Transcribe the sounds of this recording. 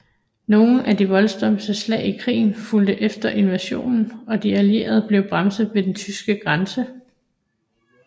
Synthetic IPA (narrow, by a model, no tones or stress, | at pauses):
no̝ːn̩ʔæd̥iʋɒ̽lsd̥ɒ̽msd̥əslɛ̰ːɪikʰʁḭːn̩fuld̥əʔefd̥ɐʔe̝nʋæɕo̝̰ːnn̩ɒ̽d̥iælie̝̰ːɐð̞̩ˠb̥le̝ʊb̥ʁamsð̩ˠʋe̝d̥ent͡sʰysɡ̥əɡ̥ʁɑnsə